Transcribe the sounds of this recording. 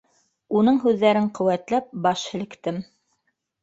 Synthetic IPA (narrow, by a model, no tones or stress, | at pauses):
unɤɴɦʉðːæɾɘɴqɵ̆wæt̪læp̚bɑʃhɘ̆lɘ̆kt̪ɘm